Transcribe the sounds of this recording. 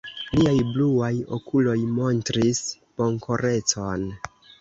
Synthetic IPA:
liajbluajo̞̰kulo̞jmo̞ntɾis | po̞ŋkʰo̞ɾe̞t͡so̞n

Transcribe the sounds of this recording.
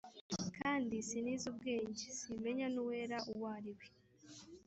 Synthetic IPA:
kʰaːndisiniːzub̚ɡeːɲɟesime̞ɲanuwe̞ːɾaʔuwaːɾiwe

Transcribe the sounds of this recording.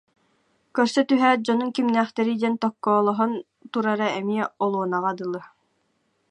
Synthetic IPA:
kœɾsœt̪yɦæːd͡ʑɔnunkimnæːχt̪ɛɾid̪ɛnt̪ɔkːɔːlˠɔɦɔn | t̪uɾaɾaɛmiɛɔlˠuɔnaʁad̪ɯlˠɯ

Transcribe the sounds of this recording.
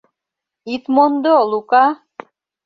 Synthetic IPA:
it̪mond̪olˠukɑ

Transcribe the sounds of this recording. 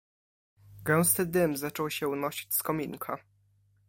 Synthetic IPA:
ɡɛw̃st̪ɘd̪ɘmzat͡ʂɔwɕɛunɔɕi̥t͡ɕskɔmʲiŋkʰa

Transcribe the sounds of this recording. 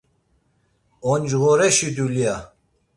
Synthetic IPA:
ɔnd͡ʒɣɔɾɛʃid̪ulia

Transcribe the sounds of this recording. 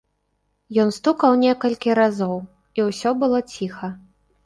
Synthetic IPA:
jɔnst̪ukɐwnʲɛkɐlʲkʲiɾazɔw | iwsʲɔbɨlˠɔt͡sʲixɐ

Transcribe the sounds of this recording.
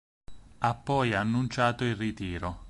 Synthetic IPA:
apːɔjanːunt͡ʃaːt̪oilrit̪iːɾo

